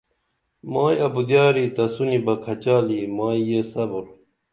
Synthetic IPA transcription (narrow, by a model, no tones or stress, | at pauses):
maːjɐbud̪jaːɾit̪ɐsunibɐkʰɐt͡ɕaːlimaːijesɐbuɾ